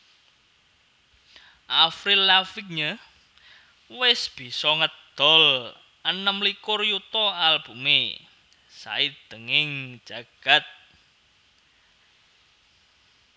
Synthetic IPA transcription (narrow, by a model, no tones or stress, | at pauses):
ʔafɾilafik̚ɲə | wɪsb̥i̤sɔŋəd̪̥ɔ̤l | ʔənəmlikʊrjut̪ɔalb̥ṳmḛ | sa̰id̪̥əŋɪŋ̥ʒ̥a̤ɡ̥a̤t̪̚